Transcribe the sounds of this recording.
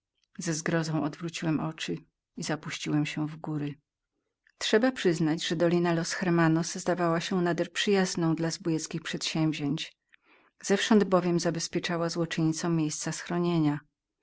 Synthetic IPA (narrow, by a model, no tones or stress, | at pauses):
zɛzɡɾɔzɔ̃w̃ɔd̪vɾut͡ɕiwɛmʔɔt͡ʂɘ | izapuɕt͡ɕiwɛmɕɛvɡuɾɘ | tʂɛbapʂɘznad͡ʑʐɛd̪ɔlʲinalɔsxɛɾmanɔszd̪avawaɕɛnad̪ɛɾpʂɘjaznɔ̃w̃d̪lazbujɛt̪skʲixpʂɛt̪ɕɛ̃mvʲʑeɲt͡ɕ | z̥ɛfʂɔnd̪bɔvʲjɛmzabɛspʲjɛt͡ʂawazwɔt͡ʂɛɲit̪sɔ̃w̃mʲjejst̪sasxɾɔɲeɲa